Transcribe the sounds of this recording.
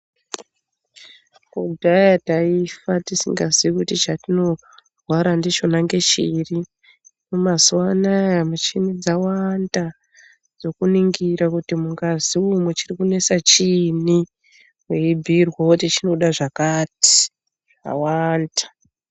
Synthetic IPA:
kudʱajataifatisḭŋɡaziwikutit͡ʃatino̞ | rwaɾandet͡ʃo̞naŋɡe̞t͡ʃiːri | mumaswanajamut͡ʃinid͡zawanda | d͡zo̞kuniŋɡiɾakutimuŋɡaziumwet͡ʃirikune̞sat͡ʃini | weibʱirwawotit͡ʃino̞ɗaʐakaːti̥ | ʐa̰waːndḁ

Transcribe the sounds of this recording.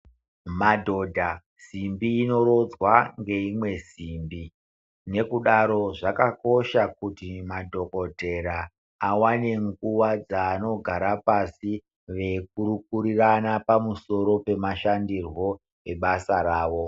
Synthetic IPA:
madʱo̞ːdʱa | z̥imbiːno̞ɾo̞d͡zwaŋɡe̞imwe̞ziːmbi | ne̞kuɗaɾo̞ʐakako̞ʃakutimadʱo̞ko̞te̞ɾa | awane̞ŋɡuwad͡zaːno̞ɡʱaɾapasi | ʋe̞k̚uɾukuɾiranapamuso̞ɾo̞pe̞maʃandirwo̞ | eɓasaɾaːʋo̞

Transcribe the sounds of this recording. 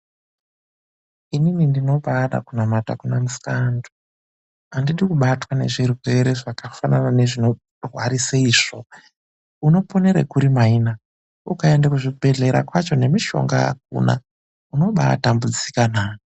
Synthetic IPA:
ininindino̞ɓaɗa̰kunamata̰kunamuskandu | andiɗikuɓatwane̞̰ʐirwe̞ɾe̞ʐakafananane̞ʐino̞ | rwaɾisaiːʐ̥o̞ | uno̞po̞ne̞ɾḛkuɾimaina | ukae̞ndakuʐibʱe̞ɮe̞ɾa̰kwat͡ʃo̞ne̞miʃo̞̰ŋɡa̰a̰k̚ṵna̰ | uno̞ɓaa̰tambud͡zikanaːno

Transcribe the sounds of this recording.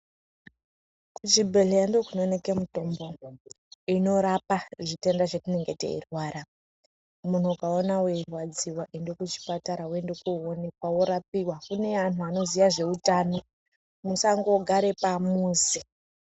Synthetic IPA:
kud͡ʒibʱelejandokuno̞neke̞muto̞mbo̞ | ino̞ɾapaʐite̞ndaʐetine̞ŋɡetḛḭrwaɾa | mun̤uukaonaweirwad͡ziwaʔindokut͡ʃi̥pataɾawendekuone̞kwawoɾapiwakune̞anuano̞ziʋaʐe̞utaːno̞ | musaŋɡo̞ɡʱaɾe̞pamuzi

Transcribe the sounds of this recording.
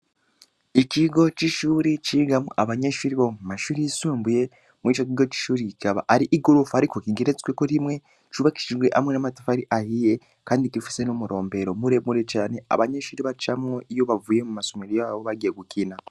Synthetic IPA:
ikiɡo̞t͡ʃiʃuɾit͡ʃiːɡamoaβaɲeʃuɾiβomumaʃuːɾijisuːmbuje̞ | mwiːt͡ʃok̬iɡo̞t͡ʃi̥ʃuːɾiikaβa̰ʔaɾiʔiɡoɾufuhaɾikokiɡe̞ɾet͡swekoɾimwe̞ | t͡ʃuβaki̥ʃiʒɡwe̞ʔamwe̞namati̥faaɾiʔahije̞ | kaːndikifi̥se̞nomuɾo̞ːmbe̞ɾomuɾe̞muɾe̞t͡ʃaːne̞a̰βaɲeʃuɾiβat͡ʃamŋoijo̞βavuje̞mumasomiɾijaβoβaɡeɡukina

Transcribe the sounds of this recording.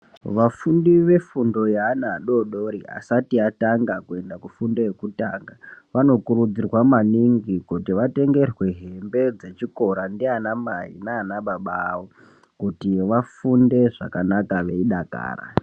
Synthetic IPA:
ʋafundiʋe̞fundo̞jaanaːɗo̞ɗoɾia̰satiataŋɡakue̞ndakufundo̞je̞kutaːŋɡaʋano̞kurud͡zirwamaniŋɡikutiʋate̞ŋɡe̞rwe̞ɦe̞mbe̞d͡ze̞t͡ʃiko̞ɾandianamaḭnaːnaɓaɓawo | kutiʋafunde̞ʐa̰kanakaʋe̞iɗaka̰ːra̰

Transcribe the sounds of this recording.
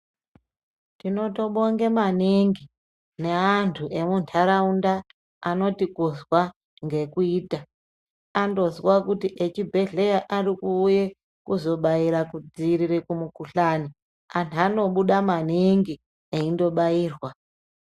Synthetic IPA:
tino̞to̞ɓoŋɡemaniŋɡi | ne̞antʰuʔe̞muntʰaɾaundaː | no̞tikuzwa | ŋɡe̞kuiːta | ando̞ziwakutiʔet͡ʃibʱe̞ɮejaʔarikuːje | kuzo̞ɓaiɾakud͡ziɾirekumukuɬani | antʰano̞ɓuɗamaniŋɡi | eindo̞ɓaiːrwa

